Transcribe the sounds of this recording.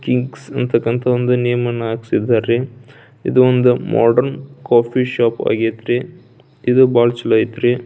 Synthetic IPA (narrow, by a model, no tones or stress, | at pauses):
kiŋɡsɐnt̪ʰɐkːɐnt̪ʰɐond̪unijɐmɐnɐːɡsid̪ːaːɾe | id̪uond̪umʔa̰ːɖɐɾnkaːpʰiʃaːpa̰ːɡet̪ɾe | id̪ubaːlt͡ʃɐlɐjit̪ɾi